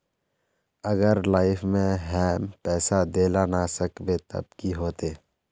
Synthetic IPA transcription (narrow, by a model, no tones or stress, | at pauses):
əɡəɾlaːɪfʰmẽɦɛːmpɛːsad̪eːlanasəkbet̪ə̰b̚kiɦoːt̪eː